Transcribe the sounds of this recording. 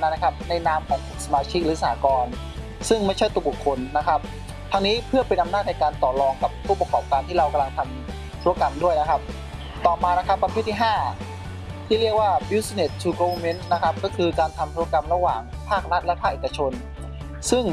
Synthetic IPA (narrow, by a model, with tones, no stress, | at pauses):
na˧˥nː˥kʰa˦˥p̚na˧jnaː˦˥˩mʔa˨˩n̚˨˩sa˧maː˧t͡ɕʰi˦˥k̚ɾɯː˨˦˥sa˧ha̰ː˩˦kɔː˧n | sɯ˥˩ŋma˥˩jt͡ɕʰa˥˩jt̪u˧əbkʰːo˧nːa˦˥kʰa˦˥p̚ | t̪ʰa˧ŋniː˦˥pʰɯ˥˩ɐpe˧nʔa˧mnaː˥˩t̪̚na˧jkaː˧nt̪ɔː˨˩lɔː˧ŋka˨˩ppʰːuː˥˩pa˧kɔː˨˩p̚kaː˧nt̪ʰiː˥˩ɾa˧wka˧mla˧ŋt̪ʰa˧m | t̪ʰu˧˥˧ka˧mdu˥˩əjna˦˥kʰa˦˥p̚ | t̪ɔː˨˩maː˧na˦˥kʰa˦˥pːɾa˧pʰeː˥˩t̪ʰːi˥˩ɦaː˥˩ | t̪ʰiː˥˩ɾi˥˩ək̚waː˥˩bi˧˥sa˧ne˨˩t̪̚t͡ɕʰuː˧ko˧me˦˥nna˦˥kʰa˦˥p̚kɔː˥˩kʰɯː˧kaː˧nt̪ʰa˧mt̪ʰu˧˥ɐ˧ka˧mɾa˧waː˨˩ŋ | pʰaː˥˩k̚ɾa˦˥t̪̚lɛ˦˥pʰaː˥˩k̚ʔeː˨˩kːa˧t͡ɕʰo˧n | sɯ˥˩ŋ